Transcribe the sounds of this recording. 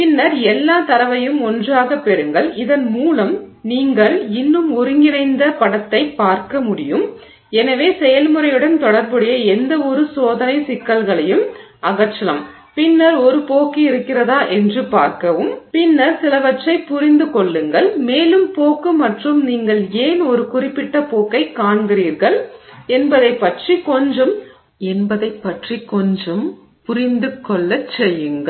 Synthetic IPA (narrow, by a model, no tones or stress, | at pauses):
pɪnːɐɾɛlːaːt̪ɐɾɐʋɐjɯmɔndraːɣɐpɛɾɯŋɡɐɭɪðɐnmuːlɐmniːŋɡɐɭɪnːɯmɔɾɯŋɪnɐɪnd̪ɐpɐɽɐt̪ːɐɪpːaːɾkɐmʊɽɪjɯm | ɛnɐʋeːsɛjɐlmɯɾɐjɯɽɐnt̪ɔɽɐɾbɯɽɐjɐɛnd̪ɐɔɾɯsoːðɐnɐɪsɪkːɐlɣɐɭɐjɯmɐɣɐt͡ʃːɐlɐ̰m | pɪnːɐɾɔɾɯpoːkːiɪɾɯkːɪrɐðaːʔɛndrɯpaːɾkɐʋɯmpɪnːɐɾsɪlɐʋɐt͡ʃrɐɪpʊɾɪnd̪ɯkɔɭːɯŋɡɐɭmeːlɯmpoːkɯmɐʈrɯmniːŋɡɐɭeːnɔɾɯkʊrɪpːɪʈːɐpoːkːɐɪkːaːɳɡɪriːɾɣɐɭɛnbɐðɐɪpːɐʈrikɔɲd͡ʒɯm | ɛnbɐðɐɪpːɐʈrikːɔɲd͡ʒɯm | pʊɾɪnd̪ɯkːɔɭːɐt͡ʃːɛjːɯŋɡɐɭ